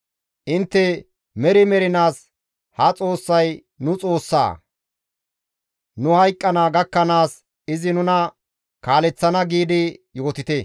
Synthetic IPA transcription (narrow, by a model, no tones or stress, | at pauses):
ʔɪnt̪ːɛ | mɛɾɪmɛɾɪnaːs | hɐt͡sʼo̞ːsːɐj | nʊt͡sʼo̞ːsːa̰ː | nʊhɐjkʼːɐnaːɡɐkːɐnaːs | ɪzɪnʊnɐ | kaːlɛt͡sːɐnɐɡiːd̪ɪjo̞ːt̪ɪt̪ɛ